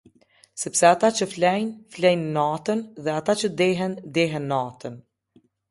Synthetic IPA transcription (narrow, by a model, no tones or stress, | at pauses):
sɛpsɛat̪at͡ʃəflɛjnflɛjnːat̪ənðɛat̪at͡ʃəd̪ɛɦɛnd̪ɛɦɛnːat̪ən